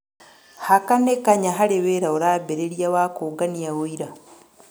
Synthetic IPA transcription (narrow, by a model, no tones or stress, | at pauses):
hakanekaɲaɦaɾeweɾaoɾabeɾeɾjawaːkoːɡanijawoiɾa